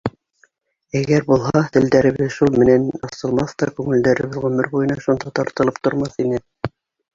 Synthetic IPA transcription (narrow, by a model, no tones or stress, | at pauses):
æɡæɾbulˠɦɑt̪ɘ̆ld̪æɾɘ̆βɘðʃulˠmɘ̆nænɑsɤ̆lˠmɑθt̪ɑkʉŋɘ̆ld̪æɾɘ̆βɘðʁɵ̆mɘɾbujɤ̆nɑʃund̪ɑt̪ɑɾt̪ɤ̆lˠɤp̚t̪ŏɾmɑθinɘ